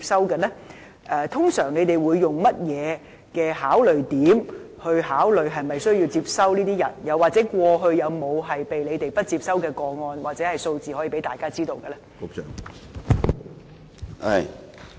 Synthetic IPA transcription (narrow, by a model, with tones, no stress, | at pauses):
p̚sɐ˥wkɐ˧nɛ˥ | ʔɛː˧t̪ʰʊ˥ŋsœː˨˩ŋne˨˧jt̪e˨˩jwuː˨˧jːʊ˨ŋmɐ˥t̚jɛː˨˧ | kɛː˧ɦaː˨˥wlɵ˨˩ɥt̪iː˨˥m | hɵ˧ɥɦaː˨˥wlɵ˨ɥɦɐ˨jmɐ˨jsɵ˥ɥji˧wt͡siː˧p̚sɐ˥wniː˥t̪iː˥jɐ˨˩njɐ˨˧waː˨k̚t͡sɛː˨˦˥kʷɔː˧ɦɵ˧ɥjɐ˨˧wmo˨˧wɦɐ˨jpe˨jle˨˧t̪e˨jpɐ˥t̚t͡siː˧p̚sɐ˥wkɛː˧kɔː˧ŋɔː˧nwaː˨t̚t͡sɛː˨˥hɐ˨jso˧wt͡siː˨hɔ˨˥jiː˨˩pe˨˥jt̪aː˨jkaː˥t͡siː˥t̪o˧wkɛ˧lɛ˥ko˧˨ | ɐ˨j